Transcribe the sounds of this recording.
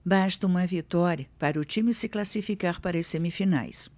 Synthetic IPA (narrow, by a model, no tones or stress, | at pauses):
baʃt̪ɐũmɐvit̪ɔɾjɐpaɾɐʊt͡ʃimɪsɪklasifikaɾpaɾɐsemifina̰js